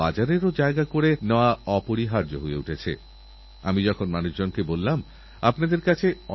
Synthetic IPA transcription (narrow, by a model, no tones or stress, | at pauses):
ad͡ʑaɾeɾod͡ʑaeɡakoɾenɔaɔpoɾiɦaɾd͡ʑo̰ɦoḛuʈʰet͡ɕʰḛ | a̰mid͡ʑɔkʰonmanuʃd͡ʑonkebolːam | apnad̪eɾkat͡ɕʰeɔ